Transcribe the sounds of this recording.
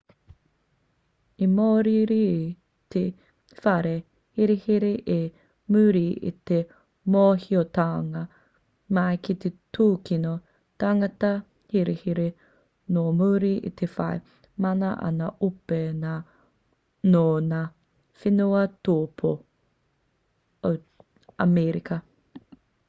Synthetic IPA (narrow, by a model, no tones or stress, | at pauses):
imoːɾiɾi | t̪ʰe | fɐɾe | hiɾehiɾeʔe | mʉɾiḭt̪e | moːhiot̪aːŋɐ | mɐjkit̪etuːkino | t̪aŋɐt̪ɐ | hiɾehiɾe | nomuːɾiʔḭt̪ʰefɐ̰e | mɐnɐʔɐ̰nɐʔupena | nona | finuɐtoːpʰo | o | ɐmeɾikɐ